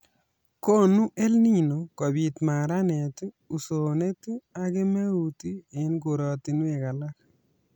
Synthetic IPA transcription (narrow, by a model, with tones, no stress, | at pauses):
ko˦nu˦ʔe˦lni˦no˨kɔ˨bi˨t̪ma˨ɾa˦ne˨tɪ˦ | u˨so˨ne˦ti˦a˦ɡe˦me˦u˨ti˦e˨˦nɡo˨ɾɔ˨ti˨nwe˨ka˨la˦k